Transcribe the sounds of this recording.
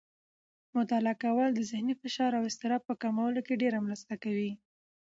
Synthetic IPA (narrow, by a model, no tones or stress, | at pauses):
mʊt̪alakawəld̪əzɪhnifɪʃɑɾawɪst̪ɪɾɑb̚pəkamawəlokeɖeɾamɾast̪akawi